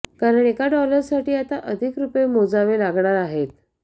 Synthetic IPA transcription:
kaɾəɳekaɖɔləɾsaʈiːat̪aʔəd̪ʱikɾupemod͡zaʋelaɡɳaɾaɦet̪̚

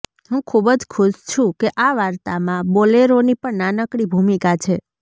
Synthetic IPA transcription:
ɦũkʰubəd͡ʒkʰuʃt͡ʃʰũkeʔaʋaɾt̪amãboleɾonipəɳnanəkɽibʱumikat͡ʃʰe

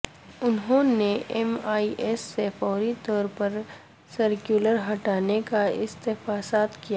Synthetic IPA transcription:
ʊnɦõneʔɛmaːiʔɛːsːefɔːɾit̪ɔːɾpɐɾ | səɾkjuːləɾɦɐʈaːnekaɪst̪ɪfaːsaːt̪kija

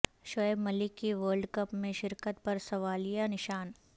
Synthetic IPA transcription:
ʃɔəbmɐlɪkːiʋəːɾɖkɐpmẽʃɪɾkət̪̚pɐɾsɐʋaːlijanɪʃaːn

